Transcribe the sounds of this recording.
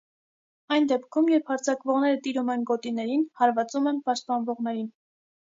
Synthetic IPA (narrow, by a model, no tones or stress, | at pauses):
ɑjnd̪ɛpkʰumjɛɾphɑɾt͡sʰɑkvɔʁnɛɾət̪iɾumɛnɡɔt̪inɛɾinhɑɾvɑt͡sumɛnpɑʃt̪̚pɑnvɔʁnɛɾin